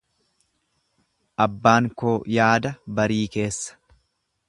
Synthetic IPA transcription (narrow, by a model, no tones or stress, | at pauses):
ʔɐbːaːŋkoːjaːd̪ɐbɐɾiːke̞ːsːɐ̥